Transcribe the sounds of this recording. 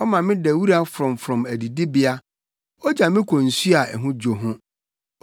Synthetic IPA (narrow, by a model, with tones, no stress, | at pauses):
ɔ˦mã˨mɪ̃˦dɛ˨wi˦ɾa˦fɾɔ̃˨mfɾɔ̃˨mæ˨di˨di˦bɪ˦a˦ | ɔ˦d͡ʑa˨mɪ̃˦kʰɔ̃˨n̩˨su˦a˨ɛ̰˨ɦʊ̃˦d͡ʑo˨ɦʊ̃˦